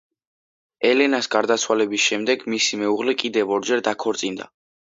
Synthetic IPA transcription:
ɛlɛnasɡaɾd̪at̪sʰwalɛbisʃɛmd̪ɛɡmisimɛuʁlɛkʼid̪ɛvɔɾd͡ʒɛɾd̪akʰɔɾt̪sʼind̪a̰

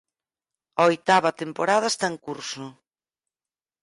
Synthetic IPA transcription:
aojt̪aβɐt̪empoɾaðɐest̪aeŋkuɾsʊ

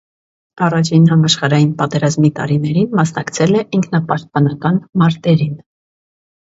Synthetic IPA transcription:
ɑrɑt͡ʃʰinɦɑmɑʃχɑɾɑjinpɑt̪ɛɾɑzmit̪ɑ̰ɾinɛɾinmɑsnɑkt͡sʰɛlɛʔiŋkʰnɑpɑʃt̪̚pɑnɑkɑnmɑɾt̪ɛɾin

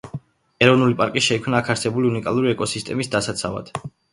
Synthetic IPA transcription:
ɛɾɔvnulipʼaɾkʼiʃɛikʰmnaːkʰaɾsɛbuliunikʼalˠuɾiɛkʼɔsist̪ʼɛmisd̪asat̪sʰava̰d̪̥

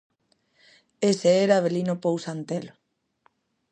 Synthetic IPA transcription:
eseeɾaβelinopowsant̪elo

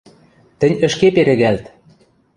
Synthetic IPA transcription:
t̪ə̆nʲə̆ʃkepeɾɘ̆ɣælt̪

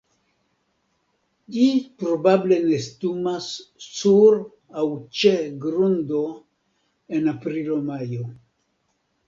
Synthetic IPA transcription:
d͡ʒipɾobable̞nestumasːuɾ | awt͡ʃeɡɾundo̞ | enapɾilomajo̞

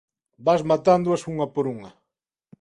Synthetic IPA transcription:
bazmat̪and̪ʊasuŋɐpoɾuŋɐ

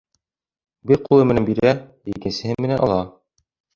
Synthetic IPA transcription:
bɘɾqʰulˠɤmɘ̆nænbiɾæjɘkɘ̆nsɘ̆hɘmɘ̆nænʔɑlˠɑ

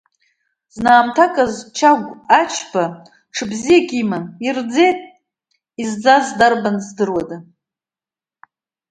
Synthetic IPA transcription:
znaːmtʰakʼazt͡ʃʰaɡʷat͡ʃʰb̥a | ʈ͡ʂʰɨbzijakʲʼimaird͡ze̞jtʼ | izd͡zazdarbanzdɨrwada

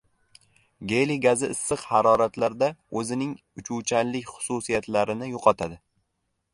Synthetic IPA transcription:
ɡʲeliɡazɪɪsːɨqhaɾɒɾat̪laɾd̪aɵzɪnɪŋ | ʊt͡ʃʰut͡ʃʰanlɪkʲχʊ̥susijat̪laɾɪnɪjoqʰɒt̪ʰad̪ɪ

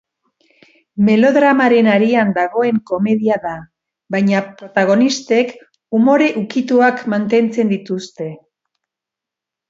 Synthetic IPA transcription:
me̞lo̞ðɾamaɾe̞naɾiand̪aɣ̞o̞e̞ŋko̞me̞ðiaða | βajɲapɾo̞t̪aɣ̞o̞nist̪e̞k | umo̞ɾe̞ʔukit̪uakmant̪e̞nt͡se̞nd̪it̪ust̪e̞

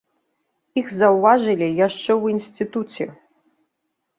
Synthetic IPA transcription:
ixzɐwvaʐɨlʲijaʂt͡ʂɛwinsʲt̪ɨt̪ut͡sʲɛ

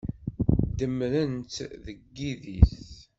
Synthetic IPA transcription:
d̪əmɾənt̪ðəɡːiðḭθ

